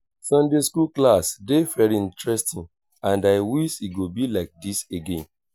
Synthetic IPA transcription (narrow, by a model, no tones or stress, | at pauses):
sʌ̃ndeskuklasdefɛɾĩntɹɛstĩn | ãndaɪwisiɡobilaɪk̚diseɡḛ̃n